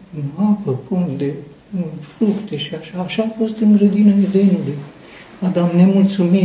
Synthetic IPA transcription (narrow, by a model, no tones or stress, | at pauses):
napəpund̪e | ɨnfɾukt̪e̞ʃiaʃaːʃaːfo̞st̪ɨŋɡɾəd̪inəned̪enuluj | ad̪amnemult̪sumi